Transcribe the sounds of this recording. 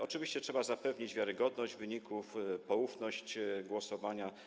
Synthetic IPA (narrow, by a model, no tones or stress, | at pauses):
ɔt͡ʂɘvʲiɕt͡ɕɛtʂɛbazapɛvɲid͡ʑvʲjaɾɘɡɔd̪nɔʑd͡ʑvɘɲikufpɔufnɔɕt͡ɕɡwɔsɔvaɲa